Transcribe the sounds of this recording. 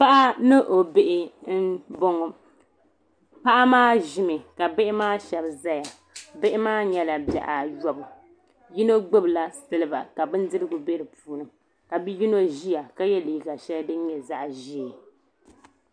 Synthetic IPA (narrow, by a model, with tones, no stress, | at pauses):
pa˦ʔa˦nɨ˦ʔo˨be˦ʔɪ˦n̩˦bo˦ŋɔ˨ | pa˦ʔa˦maː˦ʒi˦mɨ˨ka˨be˦ʔɪ˦maː˦ʃɛ˨bza˦ja˨ | be˦ʔɪ˦maː˦ɲɛ˦la˨ba̰˨ʔa˨jɔ˨bʊ˨ | ji˦no˦ɡ͡bɨ˦bla˦sɨ˦lɨ˦ba˨ka˨bɨ˦n˦dɨ˦ɾɨ˦ɡʊ˨be˦ɾɨ˨puː˨˦nɨ˨ | ka˨bi˦ji˦no˦ʒi˦ja˨ka˦jɛ˦li˨ɡa˨ʃɛ˦ldɨ˦ɲɛ˨za˦ʔʒi˦˨